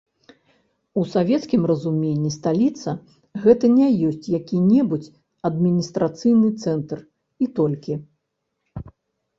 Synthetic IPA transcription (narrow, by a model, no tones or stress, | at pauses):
usavʲɛt̪skʲimrɐzumʲenʲːist̪alʲit̪sɐ | ɣɛt̪ɐnʲɛjɔsʲt͡sʲjakʲinʲɛbut͡sʲ | ɐd̪̚mʲinʲist̪ɾat̪sɨjnɨt̪sɛnt̪r | it̪ɔlʲkʲi